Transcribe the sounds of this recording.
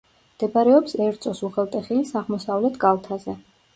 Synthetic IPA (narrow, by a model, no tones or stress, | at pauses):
md̪̥ɛbaɾɛɔpsɛɾt̪sʼɔsuχɛlˠt̪ʼɛχilisaʁmɔsavlɛt̪ʰɡalˠt̪ʰazɛ